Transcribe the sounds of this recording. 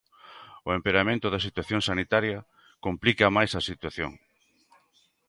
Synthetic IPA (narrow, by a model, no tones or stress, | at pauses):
ʊempeɾamẽnt̪ʊðɐsit̪waθjoŋsanit̪aɾjɐ | komplikɐmajsɐsit̪waθjo̰ŋ